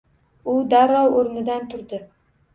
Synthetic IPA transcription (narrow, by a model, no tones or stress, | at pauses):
ʊd̪aɾɒwoɾnɪd̪ant̪ʰʊɾd̪ɪ